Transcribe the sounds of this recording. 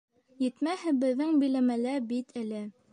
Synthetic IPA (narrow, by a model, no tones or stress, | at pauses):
jɘ̆t̪mæhɘbɘ̆ðːɘŋbɘ̆jlæmælæɾbit̪ʰɘ̆lɘ